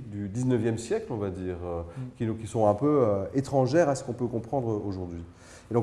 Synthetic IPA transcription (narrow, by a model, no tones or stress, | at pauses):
d̪yd̪iznəvjɛmsjɛklɔ̃vad̪iːʁøkʲikʲisɔ̃ɛ̃pøøet̪χɑ̃ʒɛʁasə̥kɔ̃pøkɔ̃pχɑ̃d̪ʁoʒuʁd̪ɥi | ed̪ɔ̃